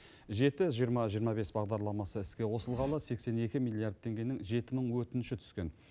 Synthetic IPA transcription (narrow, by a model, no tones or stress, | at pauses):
ʒe̞t̪ɪʒijəɾmɑʒijəɾmɑbe̞sbɑʁd̪ɑɾlˠɑmɑsəɪskʲe̞wo̞səlˠʁɑlˠəse̞kse̞ne̞kʲɪmilʲˠiard̪̚t̪ʰːe̞ŋɡʲe̞nɪŋʒe̞t̪ɪməɴwɵt̪ɪnʃɪt̪ʰʏ̥zkʲe̞n